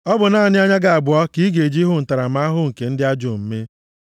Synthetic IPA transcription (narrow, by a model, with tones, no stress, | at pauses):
ɔ˦bʊ˨na˦˨nɪ˦a˦ɲa˦ɡa˨a˨bʊ˨ɔ˦ki˦ɡe˨d͡ʒi˦ɦʊ˦n̩˨ta˨ɾa˨ma˦a˦ɦʊ˦ŋ̩˨ke˨n̩˦dɪ˦a˦d͡ʒo˨m̩˦me˦